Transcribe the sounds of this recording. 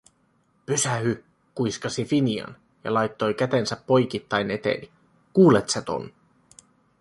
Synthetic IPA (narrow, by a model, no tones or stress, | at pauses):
pysæhy | kujskɑsifiniɑ̰n | jɑ̰lɑjt̪ːo̞jkæt̪e̞nsæpːo̞jkit̪ːɑjne̞t̪ḛni | kuːlet̪sæt̪o̞̰n